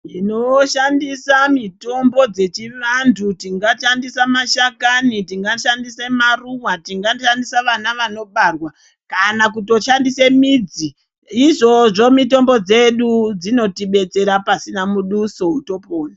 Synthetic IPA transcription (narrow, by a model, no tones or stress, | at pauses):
inoʃandisamito̞mbo̞d͡ze̞t͡ʃiʋantʰutiŋɡaʃandisamaʃakanitiŋɡaʃandisemaruwatiŋɡaʃandisaʋanaʋano̞ɓarwa | kanakuto̞ʃandise̞mid͡zi | iʐo̞ʐo̞mito̞mbo̞d͡ze̞ɗud͡zino̞tiɓe̞t͡se̞ɾapasinamuɗuso̞uto̞poːna